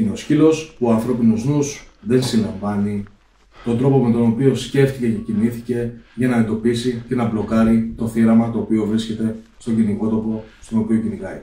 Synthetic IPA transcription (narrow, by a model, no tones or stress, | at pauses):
ineoscilo̞spuoɐnθɾo̞pinoznusðe̞nsilɐɱvɐni | t̪o̞nd̪ɾo̞po̞me̞t̪o̞no̞pio̞sce̞ft̪ice̞ce̞ciniθice̞ʝɐnɐent̪o̞pisice̞nɐblo̞kɐɾit̪o̞θiɾɐmɐt̪o̞ːpio̞vɾisce̞t̪e̞st̪o̞ɲɟiniko̞t̪o̞po̞st̪o̞no̞pio̞cinikɐi